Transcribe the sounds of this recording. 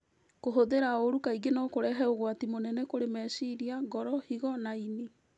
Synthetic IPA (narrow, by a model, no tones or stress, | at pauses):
koɦoðeɾaoɾukaiɡenɔkoɾɛɦɛoɣwatimonɛnɛkoɾemɛsiɾiaɡɔɾɔhiɣɔnaine